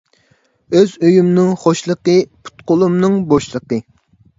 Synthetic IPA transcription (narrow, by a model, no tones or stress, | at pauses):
øzøjymnɨŋχoʃlˠəqəpʰu̥t̪qʊlˠumnɨŋboʃlˠəqə